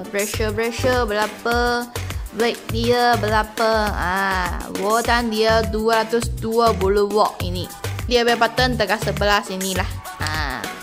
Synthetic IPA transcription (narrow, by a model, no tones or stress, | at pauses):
pɾɛʃəpɾɛʃəbəlapə | wak̚diəbəlapəãwot̪andiəduəɾat̪ʊsduəbuluwɔʔ̚ḭnidiəbepat̪ənt̪əkasəbəlasinilah | ã̰